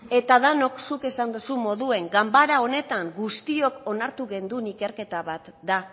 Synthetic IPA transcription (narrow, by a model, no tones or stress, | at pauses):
e̞t̪aðano̞ksuke̞sand̪usummo̞ðue̞ŋɡambaɾao̞ne̞t̪aŋɡust̪io̞ko̞naɾt̪uɣe̞nd̪unike̞ɾke̞t̪aβat̪d̪a